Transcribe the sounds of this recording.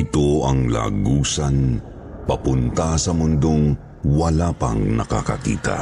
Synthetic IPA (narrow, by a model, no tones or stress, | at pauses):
ɪt̪o̞ʔɐŋla̰ːɡuːsɐn | pɐpʊnt̪ɐsɐmʊnd̪oŋ | wɐlaːpɐ̰ŋnɐka̰kɐ̰kḭːt̪ɐ̰